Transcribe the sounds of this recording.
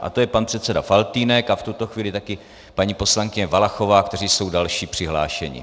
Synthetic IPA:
ʔa̰t̪o̞jɛpanpr̝̥ɛt̪t͡sɛdafalt̪iːnɛkaft̪ut̪o̞xviːlɪt̪akɪ | paɲiːpo̞slaŋkɪɲɛvalaxo̞vaːkt̪ɛriːso̞wdalʃiːpr̥ɪɦla̰ːʃɛɲɪ̰

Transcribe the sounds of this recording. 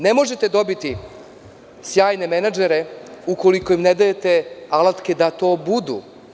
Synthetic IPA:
ne̞mo̞ʒet̪e̞d̪o̞bit̪i | sjaːjne̞menad͡ʒeɾeuko̞likojimned̪ajet̪e̞alˠat̪ke̞d̪at̪o̞ːbud̪ṵ

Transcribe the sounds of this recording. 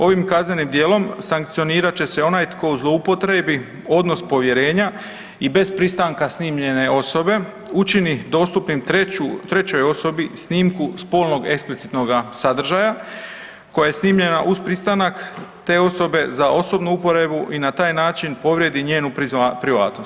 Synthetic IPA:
o̞ʋimkazne̞nimd̪je̞ːlo̞msaŋk̚t̪sijo̞niːɾat͡ɕe̞se̞o̞najt̪ko̞uzlˠo̞upo̞t̪ɾe̞bi | o̞d̪no̞spo̞ʋje̞ɾe̞ːɲa | ibe̞zpɾist̪aŋkasniːmʎe̞ne̞o̞so̞be̞ | ut͡ʃinid̪o̞ːst̪upnimt̪eut̪ɾe̞t͡ɕo̞jo̞so̞bisniːmkuspo̞ːlˠno̞ɡe̞ksplit̪sit̪no̞ɡasad̪r̩ʒaja | ko̞jaje̞sniːmʎe̞naʔuspɾist̪anakt̪e̞ːo̞so̞be̞zao̞so̞bnuupo̞ɾe̞buʔinat̪aːjnaːt͡ʃinpo̞ʋɾjed̪iɲe̞ːnupɾiʋa̰ːt̪no̞st̪

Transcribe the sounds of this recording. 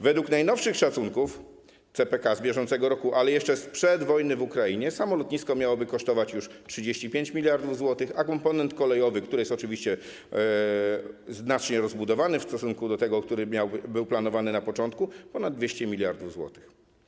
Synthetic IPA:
vɛd̪wuknajnɔfʂɘxʂat̪suŋkuf | t̪sɛpɛkazbʲjɛʐɔnt̪sɛɡɔɾɔkuʔalɛjɛʂt͡ʂɛspʂɛd̪vɔjnɘvukɾaiɲɛsamɔlɔt̪̚ɲiskɔmʲjawɔbɘkɔʂt̪ɔvat͡ɕjuʂtʂɘd͡ʑeɕt͡ɕipʲjeɲt͡ɕmʲilʲjaɾd̪uvzwɔt̪ɘxakɔmpɔnɛnt̪kɔlɛjɔvɘkt̪uɾɘjɛst̪ɔt͡ʂɘvʲiɕt͡ɕɛ | znat͡ʂɲɛɾɔzbud̪ɔvanɘfst̪ɔsuŋkud̪ɔt̪ɛɡɔkt̪uɾɘmʲawbɘwplanɔvanɘnapɔt͡ʂɔnt̪kupɔnad̪̚d̪vʲjeɕt͡ɕɛmʲilʲjaɾd̪uvzwɔ̰t̪ɘ̥x

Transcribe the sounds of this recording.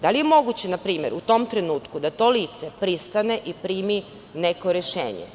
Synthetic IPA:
d̪alijemo̞ɡut͡ɕenapɾiːmjeɾʔut̪o̞ːmt̪ɾe̞nuːt̪kud̪at̪o̞liːt̪se̞pɾist̪ane̞ʔipɾiːmi | neko̞ɾeʃḛːɲḛ

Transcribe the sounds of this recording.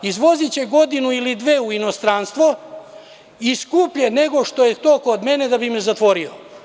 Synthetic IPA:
izʋo̞zit͡ɕeɡo̞d̪inuilid̪ʋeːuino̞st̪ɾaːnst̪ʋo | iskuːpʎeneɡo̞ʃt̪o̞jet̪okoːd̪me̞ned̪abimezat̪ʋo̞ɾio̰

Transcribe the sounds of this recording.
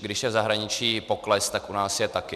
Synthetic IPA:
ɡdɪʃjɛvzaɦɾaɲɪt͡ʃiːpoklɛst̪akʔunaːsjɛt̪akɪ

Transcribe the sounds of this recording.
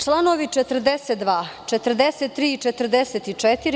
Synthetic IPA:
t͡ʃlˠanoʋit͡ʃet̪r̩d̪eset̪̚d̪ʋaːt͡ʃet̪əɾd̪eset̪ːɾiːit͡ʃet̪əɾd̪eset̪it͡ʂɛt̪iɾi

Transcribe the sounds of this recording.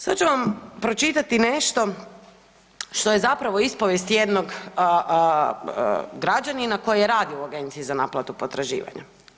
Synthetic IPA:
sat͡ʃuʋampɾo̞t͡ʃit̪at̪ine̞ʃt̪o̞ | ʃt̪o̞jezapɾaʋoispo̞ʋjest̪jed̪no̞ɡ | ɡɾad͡ʒaninako̞jejeɾaːd̪iouaɡe̞nt̪siizanaːplˠat̪upo̞t̪ɾaʒḭːʋa̰ɲa̰

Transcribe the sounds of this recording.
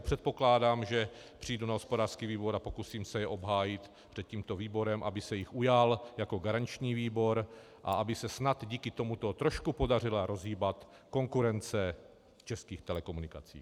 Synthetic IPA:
pr̝̥ɛt̪̚po̞klaːdaːmʒɛ | pr̝̥ijdunaɦo̞spodaːr̥skiːviːboɾapo̞kusiːmsɛjɛʔo̞bɦaːjɪt̪ | pr̥ɛt̪̚ciːmt̪o̞viːbo̞ɾɛmʔabɪsɛjɪxʔujaljako̞ɡaɾant͡ʃɲiːviːbo̞ɾ | ʔa̰abɪsɛsnad̪ɟiːkɪt̪o̞mut̪o̞t̪ɾo̞ʃkupo̞dar̝ɪlaɾo̞zɦiːbat̪ | ko̞ŋkuɾɛnt͡sɛ | t͡ʃɛskiːxt̪ɛlɛko̞munɪkat͡sḭː

